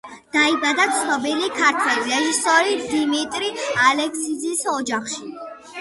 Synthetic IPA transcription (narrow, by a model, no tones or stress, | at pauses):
d̪̥aibad̪at̪sʰnɔbilikʰaɾt̪ʰwɛliɾɛʒisɔɾid̪imit̪ʼɾialɛksid̪zisɔd͡ʒaχʃi